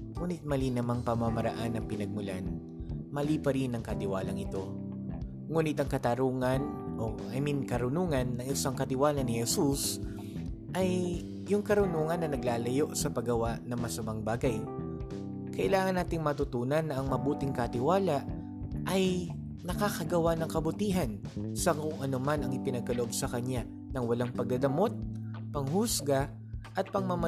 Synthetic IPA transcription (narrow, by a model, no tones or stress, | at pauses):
ŋuːnɪt̪̚mɐlinɐmaŋpɐmamɐɾɐ̰ʔanːɐŋpɪnɐɡ̚mʊla̰n | mɐlipɐɾinɐŋkɐt̪ɪwaːlɐŋɪt̪o̞ | ŋuːnɪt̪ɐŋkɐt̪ɐɾuːŋɐnʔo̞ | ɐminkɐɾʊnuːŋɐnːɐŋɪsaŋkɐt̪ɪwaːlɐnɪhɛsus | ʔɐj | jʊŋkɐɾʊnuːŋɐnːɐnɐɡlaːlɐjo̞ʔsɐpɐɡɐwaʔnɐŋmɐsɐmaŋbaːɡɐj | kɐʔɪlaːŋɐnːaːt̪ɪŋmɐt̪ʊt̪uːnɐnːɐʔɐŋmɐbuːt̪ɪŋkɐt̪ɪwaːlɐʔ | ʔɐj | nɐkaːkɐɡɐwanɐŋkɐbʊt̪iːɦɐnsɐkʊŋʔɐnomanɐŋɪpɪnɐɡ̚kɐloʔbsɐkɐɲa | nɐŋwɐlaŋpɐɡ̚d̪ɐd̪ɐmo̞t̪̚pɐŋhʊsɡa | ʔɐt̪̚pɐŋmɐmɐ